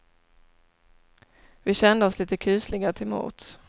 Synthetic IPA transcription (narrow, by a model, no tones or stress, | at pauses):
vɪɕɛnd̪əɔsliːt̪əkʰʉːslɪɡaɾət̪ʰɪlmṵːt̪s